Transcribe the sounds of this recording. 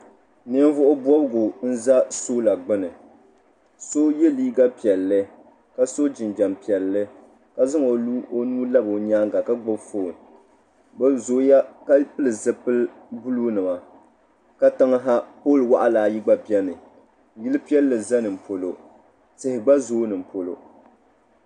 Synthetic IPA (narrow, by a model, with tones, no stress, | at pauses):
nɨ˦n˦vʊ˦ʔʊ˦bwɔ˦bɨ˦ɡʊ˨n̩˦za˦so˦la˨ɡ͡bɨ˦nɨ˨ | so˦jɛ˦liː˦ɡa˦pi˨ɛ˨lːɨ˦ | ka˦so˦d͡ʒɪ˨nd͡ʒa˨mpi˨ɛ˨lːɨ˦ | ka˦zɨ˦ŋo˨lu˦ʔo˦nuː˦la˦bo˨ɲaː˦ŋɡa˨ka˦ɡ͡bʊ˦bfoː˦˨n | ɡ͡ba˦zoː˨˦ja˦ka˦pɨ˦lɨ˨zɨ˨pɨ˦l | bu˦lu˦nɨ˨ma˨ | ka˦ta˦ŋ˦ɦa˦poː˦lwa˦ʔa˨laː˨˦ji˦ɡ͡ba˦bi˦ɛ˦nɨ˨ | ji˦lɨ˦pi˦ɛ˦lːɨ˨za˦nɨ˨m̩˨po˨lo˨ | tɪ˨hɪ˨ɡ͡ba˦zoː˦nɨ˨m̩˨po˨lo̰˨